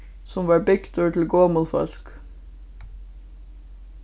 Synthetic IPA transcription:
sɔmʋɑːɹbɪɡt̪ʰɔɹʈʰl̩ɡoːmulfɔ̰lk

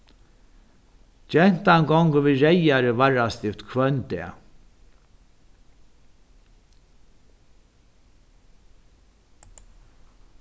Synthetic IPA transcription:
d͡ʒɛn̥t̪aŋɡɔŋkəviːɹɛjaɾəvaɹast̪ɪft̪kʰvœnt̪ɛ̰ː

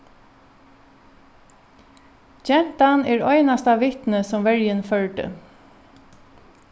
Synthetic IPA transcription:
d͡ʒɛm̥t̪anɛːɹɔʏnast̪aʋɪht̪nəsɔmʋɛɹjənfœɹɖə̰

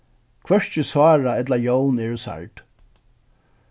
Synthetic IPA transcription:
kʰvœʂt͡ʃɪswaːɹaɛt̪lajownɛɹʊsa̰ɹʈ

